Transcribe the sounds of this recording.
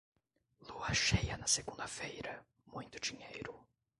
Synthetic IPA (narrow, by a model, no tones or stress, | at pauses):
loɐʃejɐnɐseɡũnd̪ɐfejɾɐ | mũj̃t̪ʊ̥d͡ʒiɲejɾʊ